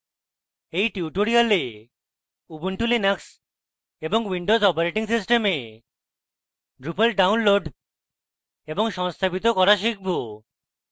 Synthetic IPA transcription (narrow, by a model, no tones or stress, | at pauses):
ejʈiuʈoɽiale | ubuɳʈulinaks | eboŋwiɳɖozɔpaɾeʈiŋsis̬ʈeme | ɖɾupelɖawnloɖ | eboŋʃɔŋst̪ʰapit̪okɔɾaʃ̬ik̚bo